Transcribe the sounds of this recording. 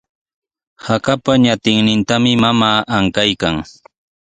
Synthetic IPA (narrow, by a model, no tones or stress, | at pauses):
hakapaɲat̪ɪŋnɪnt̪amɪmamaːʔaŋkajkaŋ